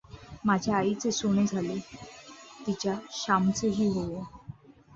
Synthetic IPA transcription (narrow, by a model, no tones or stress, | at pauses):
mad͡ʑʱjaːit͡sesoɽ̃ed͡zʱaliː | t̪it͡ɕjaɕamt͡səɦiːɦo